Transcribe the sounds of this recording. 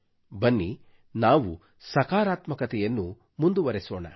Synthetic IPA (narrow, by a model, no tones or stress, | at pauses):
bɐnːi | naːʋṵ | sɐkaːɾaːt̪mɐkɐt̪ɛjɐnːu | mund̪uʋɐɾesɔːɳɐ̰